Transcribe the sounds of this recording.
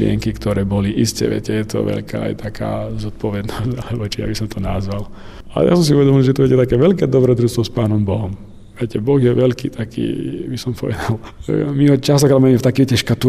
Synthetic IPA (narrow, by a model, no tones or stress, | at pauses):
lɪɛ̰ŋkikt̪ɔɾɛːbɔliʔiscɛ̰ʋɛ̰cɛjɛt̪ɔ̰ʋɛ̰ʎkʰa̰ːa̰jt̪ʰaka̰ːzɔt̪̚pɔʋɛd̪nɔscalɛbɔt͡ʃija̰bisɔmt̪ʰɔnazʋal | a̰lɛ̰ja̰sɔms̬iuʋɛd̪ɔmilˠʒɛt̪ɔʋjɛcɛt̪akɛːʋɛʎkɛːd̪ɔbɾɛd̪ɾust̪ʋɔspaːnɔmbɔɦɔm | ʋɛcɛbɔɣjɛʋɛlkḭːt̪akḭːbisɔmpʰɔʋɛd̪almiɦɔt͡ʃast̪ɔkɾamamɛft̪akiɛcɛʃkat̪u